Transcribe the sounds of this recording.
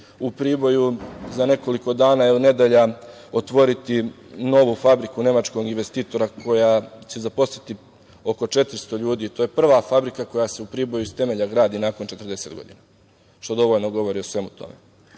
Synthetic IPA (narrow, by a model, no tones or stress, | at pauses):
upɾiːbo̞juzane̞ko̞liko̞d̪aːnaːjeune̞d̪eʎa | ot̪ʋo̞ɾit̪i | no̞ʋufabɾikune̞mat͡ʃko̞ɡinʋe̞st̪iːt̪o̞ɾakʰo̞jat͡ɕezapo̞sit̪i | o̞ko̞t͡ʃe̞t̪ɾst̪o̞ʎuːd̪iːt̪o̞ːje̞pr̩ʋafabɾikako̞jase̞upɾiːbo̞juist̪e̞me̞ʎaɡɾaːd̪inaːko̞nt͡ʃe̞t̪rd̪e̞se̞ːd̪ɡo̞d̪ḭna | ʃt̪o̞d̪o̞ʋoʎnoɡo̞ʋo̞ɾiosʋe̞mut̪o̞̰mḛ